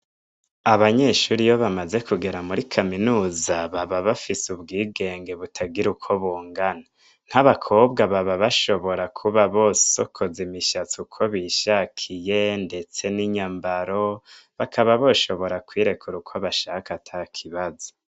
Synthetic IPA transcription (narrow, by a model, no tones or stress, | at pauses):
aβaɲe̞ːʃuɾijo̞βamaze̞kuɡe̞ɾamuɾikʰaminuːzaβaβaβafisubɡiːɡe̞ːŋɡe̞βutʰaɡiɾukʰo̞βuːŋɡana | n̥haβakʰo̞ːbɡaβaβaβaʃo̞βo̞ɾakʰuβaβo̞ssokʰo̞zimiʃat͡sukʰo̞βiʃakʰije̞nde̞t͡se̞niɲambaɾo̞βakʰaβaβo̞ʃo̞βo̞ɾakwiːɾe̞kʰuɾukʰoβaʃaːkatʰakʰiβazo̥